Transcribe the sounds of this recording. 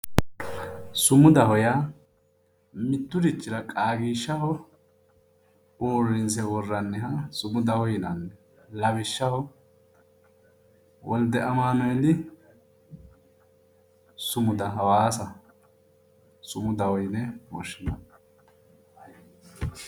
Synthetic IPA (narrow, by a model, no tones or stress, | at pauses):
sʊmʊd̪ɐhɔjɐ | mɪt̪ːʊd̪ɪt͡ʃːɪɾɐkʼaːɡiːʃːɐhɔ | oːrɪnsɛwɔrːɐnːɛɦɐsʊmʊd̪ɐhɔjɪnɐnːɛ | lɐβɪʃːɐhɔ | wɔld̪ɛʔɐmaːnɔjd̪ɪ | sʊmʊd̪ɐɦɐwaːsɐ | sʊmʊd̪ɐhɔjnɛwɔ̰ʃːɪnɐ